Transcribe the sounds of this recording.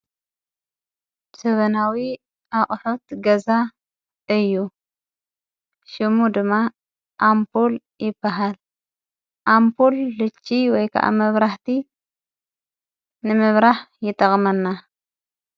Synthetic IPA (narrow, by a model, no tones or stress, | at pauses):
sɐβɐnawi | ʔaχʼħut̪ɡɐza | ɨjːu | ʃɨmud̪ɨmːa | ʔampʰol | jɪbːaɦal | ʔampʰolːɨt͡ʃʼːiwɔjkʰa̰ʔa̰mɐβɾaħt̪ʰi | nɨmɨβɾaħjɪt̪ʼːɐχʼmɐnːa